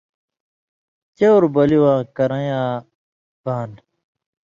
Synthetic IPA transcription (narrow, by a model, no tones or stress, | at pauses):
t͡ɕewɾbɐliwãːkɐɾɐ̃jãː | baːn